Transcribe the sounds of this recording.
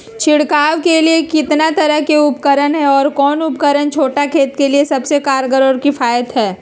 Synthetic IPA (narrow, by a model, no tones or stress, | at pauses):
t͡ʃʰɪɽkaːwkeliekɪt̪nat̪ɐɾəɦkeʊpkəɾənɦɛ̃ɔːɾkɔːnʊp̚kəɾənt͡ʃʰoːʈakʰeːt̪keliesɐbsekaːɾɡəɾɔːɾkɪfaːjət̪ɦɛː